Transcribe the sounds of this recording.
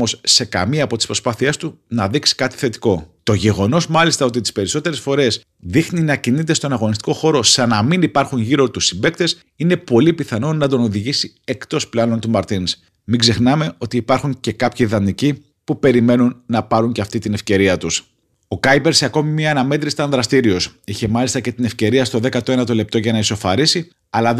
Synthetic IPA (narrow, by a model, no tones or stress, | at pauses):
o̞sse̞kɐ̰miɐːpo̞t̪ispɾo̞spɐθie̞st̪unɐðiksi̥kɐt̪i̥θe̞t̪i̥ko̞t̪o̞ʝe̞ɣo̞no̞zmɐlist̪ɐo̞t̪it̪i̥spe̞ɾiso̞t̪e̞ɾe̞sfo̞ɾe̞s | ðixninɐcinit̪e̞st̪o̞nɐɣo̞nist̪i̥ko̞xo̞ɾo̞sɐnɐminipɐɾxunʝiɾo̞t̪usimbe̞k̚t̪e̞s | ine̞po̞lipiθɐno̞nɐt̪o̞no̞ðiʝisi | e̞kt̪o̞splɐno̞nt̪umɐɾt̪ins | miɡze̞xnɐme̞o̞t̪iːpɐɾxuɲce̞kɐpçiðɐnici | pupe̞ɾime̞nunːɐpɐɾuɲceɐft̪it̪ine̞fce̞ɾiɐt̪us | o̞kɐjpe̞ɾseɐko̞mimiɐːnɐme̞t̪ɾist̪ɐnðɾɐst̪iɾio̞siçe̞mɐlist̪ɐce̞t̪ine̞fce̞ɾiɐst̪o̞ðekɐt̪oe̞nɐt̪o̞le̞p̚t̪o̞ʝɐnɐiso̞fɐɾisi | ɐlɐ